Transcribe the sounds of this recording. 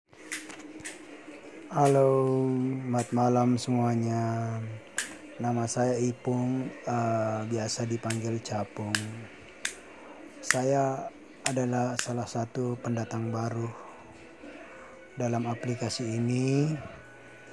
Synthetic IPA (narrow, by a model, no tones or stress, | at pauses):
halo | mat̪̚malamsəmuaɲa | namasajaipʊŋəbiasadipaŋɡɪlt͡ʃapʊŋ | sajaː | dalahsalahsat̪upəndat̪aŋbaɾuh | dalamaplikasiːni